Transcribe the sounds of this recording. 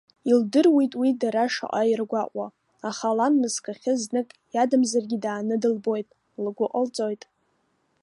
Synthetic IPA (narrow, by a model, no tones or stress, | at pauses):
ildɨrwitʼwidaɾaʂa̰ʔʼajirɡʷaʔʷʼa | aχalanmɨskʰʼaχʲɪznɨkʼjadɨmzarɡʲidaːnɨdɨlbo̞jtʼ | lɡʷʊʔʼəlt͡sʼojtʼ